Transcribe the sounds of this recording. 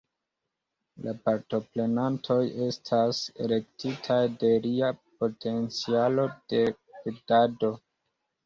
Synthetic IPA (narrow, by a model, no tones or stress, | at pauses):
lapaɾto̞pɾe̞nantʰo̞je̞stʰasḛle̞ktitʰajde̞ɾiapo̞tʰe̞nt͡sialo̞d̥e̞ | pedado̞